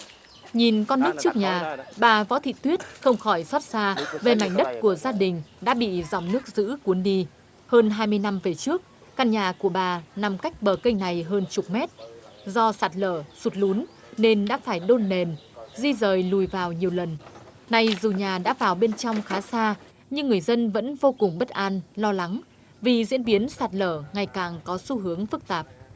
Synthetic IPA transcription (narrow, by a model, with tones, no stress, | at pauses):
ɲi˨˩nkɔ˧nːɨ˦˥ək̚t͡ɕɨ˦˥ək̚ɲaː˨˩ɓaː˨˩vɔ̰˧˥t̪ʰḭ˧˨t̪wi˦˥ət̚xə˧wŋ͡mxɔ˧˩jswɔ˦˥t̚saː˧ve˨˩ma˨˧˩jŋ̟ɗə˦˥t̚ku˧˩əzaː˧ɗï˨˩ŋ̟ɗa̰ː˧˥ɓḭ˧˨za˨˩wŋ͡mnɨ˦˥ək̚zɨ̰˧˥ku˨˦ənɗi˧ | həː˧nɦaː˧jmɨ˧əjna˧mve˨˩t͡ɕɨ˦˥ək̚ːaː˧nɲaː˨˩ku˧˩əɓaː˨˩na˨˩mka˦˥jk̟̚ɓəː˨˩kə˧jŋ̟na˨˩jɦəː˧nt͡ɕʊ˨˩k͡p̚mɛ˦˥t̚ | zɔ˧saː˨˩t̚ləː˧˩su˨˩t̚lu˨˦n | ne˧nɗa̰ː˧˥faː˧˩jɗo˧nːe˨˩nzi˧zəː˨˩jlu˨˩jvaː˨˩wɲi˨˩əwlə˨˩n | na˨˩jzu˨˩ɲaː˨˩ɗa̰ː˧˥vaː˨˩wɓe˧nt͡ɕɔ˧wŋ͡mxaː˨˦saː˧ | ɲɨ˧ŋːɨ˨˩əjzə˧nvə̰˧˥nvo˧kʊ˨˩ŋ͡mɓə˦˥t̚ʔaː˧nlɔ˧la˨˦ŋ | vi˨˩zḭ˧˥ənɓi˨˦ənsaː˨˩t̚ləː˧˩ŋa˨˩jkaː˨˩ŋkɔ˨˦su˧ɦɨ˨˦əŋfɨ˦˥k̚t̪aː˨˩p̚